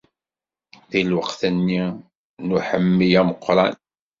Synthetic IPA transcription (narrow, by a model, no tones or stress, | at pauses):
ðilwəqθənːi | nuħəmːijæməqːɾˤɑn